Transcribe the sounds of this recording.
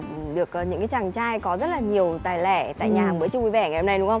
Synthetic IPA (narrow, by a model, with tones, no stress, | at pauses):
ɗɨ˨˩ək̚ːɲɨ̰˧˥ŋkaː˨˦t͡ɕaː˨˩ŋt͡ɕaː˧jkɔ˨˦zə˦˥t̚laː˨˩ɲi˨˩əwt̪aː˨˩jlɛ˧˩t̪a̰ː˧˨jɲaː˨˩˨ŋɓəː˨˦jt͡ɕu˧ŋ͡mki˨˦ɛ˧˩ŋa˨˩ho˧ŋ͡mna˧˩jɗʊ˨˦ŋ͡mxə˧wŋ͡m